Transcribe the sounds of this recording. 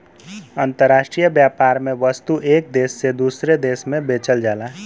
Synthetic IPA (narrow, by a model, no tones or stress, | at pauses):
ənt̪əɾːaːʃʈɾijəbjapaːɾmẽʋəst̪uʔeːk̚d̪esːed̪usɾed̪eːsmẽbet͡ʃəld͡ʒaːla